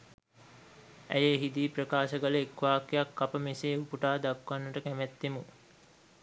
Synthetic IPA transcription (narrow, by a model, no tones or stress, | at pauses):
æ̰jeɦid̪iːprəkaːʃəɡələekʋaːkejakːapəmeseːupuʈaːd̪akʋanːəʈəkæmæt̪ːemu